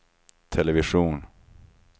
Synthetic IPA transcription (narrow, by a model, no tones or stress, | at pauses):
t̪ʰɛlɛvɪʂuːn